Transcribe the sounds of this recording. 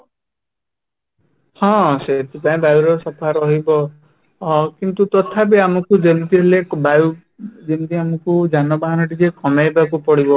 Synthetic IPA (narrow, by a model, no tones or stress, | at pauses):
hɔ̃set̪upaĩbajuɾɔsɔpʰaɾɔɦibɔ | kint̪ut̪ɔt̪ʰapeamɔkud͡ʒent̪iɦelebaju | d͡ʒent̪iamɔkud͡ʒanɔbaɦanɔʈid͡ʒekɔmajbak̬upɔɽibɔ